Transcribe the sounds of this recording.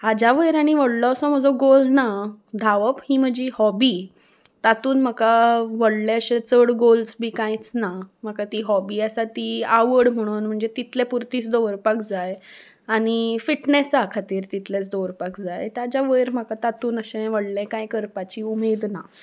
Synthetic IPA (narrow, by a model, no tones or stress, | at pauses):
ad͡ʑaʋəjɾaɽ̃iʋəɽlɔəsɔm̤əd͡zɔɡolnad̪ʱaʋəphĩːm̤əd͡ʑihɔbi | t̪at̪uːnm̤əkaʋəɽleəɕet͡səɽɡolsbʱiːkãjt͡snam̤əkat̪iɦɔbiːasat̪iaʋəɽm̤əɽ̃uːnm̤əɳd͡zet̪it̪ʰlɛpuɾt̪iːt͡sd̪oʋəɾpakd͡zaj | aɽ̃ifiʈnesakʰat̪iːɾt̪it̪let͡sd̪oʋəɾpakd͡zajt̪jad͡ʑaʋəjɾm̤əkat̪at̪uːnəɕẽʋəɽlɛ̃kãjkəɾpat͡ɕiumed̪na